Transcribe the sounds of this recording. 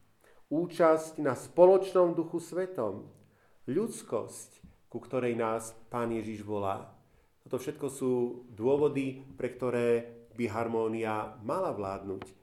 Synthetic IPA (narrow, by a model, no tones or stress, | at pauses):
uːt͡ʃascnaspɔlɔt͡ʃnɔmd̪uxusʋɛt̪ɔm | ʎut͡skɔ̰sc | kukt̪ɔɾɛjnaːspaːnjɛʒiʒʋɔla̰ː | t̪ɔt̪ɔfʃɛt̪kɔsuːd̪ʊɔʋɔd̪ipɾɛkt̪ɔɾɛːbiɦaɾmɔːniamalaʋlaːd̪nuːc